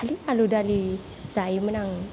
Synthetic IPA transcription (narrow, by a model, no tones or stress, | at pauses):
lialudali | saimənaŋ